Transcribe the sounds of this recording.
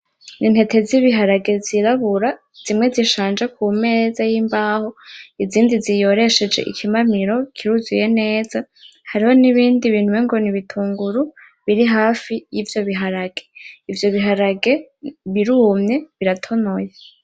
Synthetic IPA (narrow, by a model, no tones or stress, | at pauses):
nʔin̥he̞te̞ziβiɦaɾaɡe̞ziɾaβuɾa | z̥imŋe̞ziʃaːnd͡ʒek̚uːme̞ːzajiːmbaːho̞iziːndizijo̞ɾe̞ʃe̞d͡ʒe̞̰ʔḭkʰimamiɾo̞kʰiɾuzuje̞ne̞ːza | haɾiho̞niβiːndiβiːn̥uweŋɡo̞niβitʰuːŋɡuɾu | βiɾiɦaːfijivjo̞βiɦaɾaɡe̞ivjo̞βiɦaɾaɡe̞βiɾuːmɲe̞βiɾatʰo̞noje